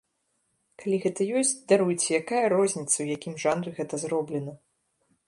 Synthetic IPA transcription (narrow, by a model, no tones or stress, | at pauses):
kalʲiɣɛt̪ɐjɔsʲt͡sʲd̪aɾujt͡sʲɛjakajɐɾɔzʲnʲit̪sɐwjakʲimʐanɾɨɣɛt̪ɐzrɔblʲɛnɐ